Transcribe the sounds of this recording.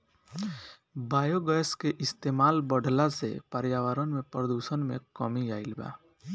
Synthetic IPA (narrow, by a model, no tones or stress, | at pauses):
baːjoɡəjskeʔɪst̪eːmaːlbəɖʱlasḛpəɾjaːʋəɾənmẽpɾəd̪uːʃənmḛ̃kɔmijaːilba̰